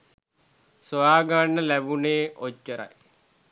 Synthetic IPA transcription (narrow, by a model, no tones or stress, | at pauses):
sojaːɡaːnːəlæbuneːot͡ʃːəɾa̰j